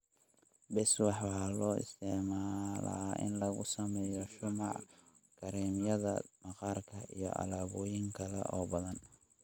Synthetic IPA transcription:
bɛswɑħwlɔːɪ̰st̪ʰɪʕmaːlɐ̰ʔɪ̰nlɐɣʊ̰sɐmɛːjɔʃʊmɑʕ | ɡ̥ʰɐɾɛːmjɐðɐ̰mɐqɑːrkʰɐʔḭjɔ̰ʔɐ̰laːβɔːjɪŋkʰɐlɛ̰ʔɔːbɐðɐn

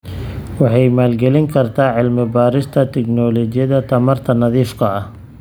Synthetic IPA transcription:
wɑħɑjmaːlɡɛlɪŋkʰɐrt̪ʰaːʕɪlmɪbaːɾɪst̪ʰɐt̪ʰɛknɔːlɔt͡ʃɪjɐðɐt̪ʰɐmɐrt̪ʰɐnɐðiːfkʰɐɐh

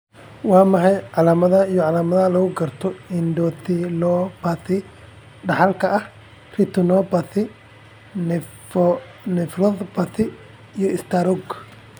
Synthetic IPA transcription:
wɑːmɐħɛjʕɑlaːmɐðɐijɔʕɑlaːmɐðɐlɐɣʊɡɐrt̪ʰɔɪnd̪ɔt̪ʰɪlɔb̥ɐθɪ | ɖɐħɑlkʰɐʔɐh | rɪt̪ʰʊnɔːbɐθɪ | n | nɛfrɔðbɐθɪː | jɔɪst̪ʰaɾɔɡ

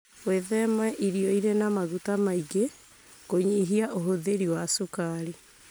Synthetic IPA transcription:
fweðɛmaʔiɾiɔiɾɛnamaɣutamaiɡe | koɲiɦiaʔoɦoðeɾiwasokaɾi

